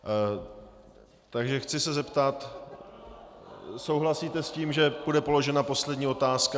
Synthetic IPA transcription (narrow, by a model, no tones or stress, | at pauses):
t̪aɡʒɛxt͡sɪsɛzɛpt̪at̪ | so̞wɦlasiːt̪ɛsciːmʒɛb̥udɛpo̞lo̞ʒɛnapo̞slɛdɲiːo̞t̪aːska